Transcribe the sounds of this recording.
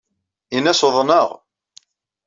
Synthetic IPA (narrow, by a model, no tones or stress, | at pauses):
inæsoðˤnəʁ